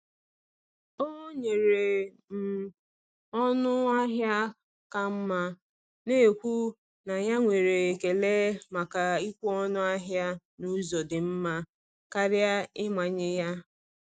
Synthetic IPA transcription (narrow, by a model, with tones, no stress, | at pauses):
o˦ɲe˨ɾe˨ | m̩˨ | ɔ˦nʊ˦a˦ɦja˦ | ka˨m̩˦ma˦ | ne˦e˨kʷu˦ | na˨ja˦ŋʷe˨ɾe˨ke˨le˦ma˨ka˨i˦kʷu˦ɔ˦nʊ˦a˦ɦja˦ | nu˦zɔ˨dɪ˨m̩˦ma˦ | ka˦ɾja˦ɪ˦ma˨ɲɪ˦ja˦